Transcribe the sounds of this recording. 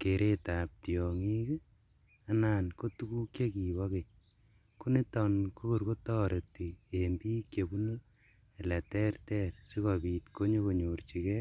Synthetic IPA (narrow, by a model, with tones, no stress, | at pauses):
ke˨ɾe˦ta˨p̚tjɔ˨ŋi˦k | anaː˨nko˦tu˦ku˦kje˦ki˨βɔ˦ke˨ | ku˦ne˦tɔnko˦ko˨ɾko˦tɔː˦ɾʔe˨tːi˨embi˦kje˨bu˦no˦ | e˨lɛ˨tɛ˦rtɛ˦tsi˦kɔ˨piː˨tko˦ɲo˦ko˨ɲort͡ʃi˨kɛ˦